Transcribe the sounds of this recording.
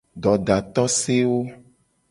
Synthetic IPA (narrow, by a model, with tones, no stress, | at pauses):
ɖɔ˨ɖa˨t̪ɔ˦se˦wo˦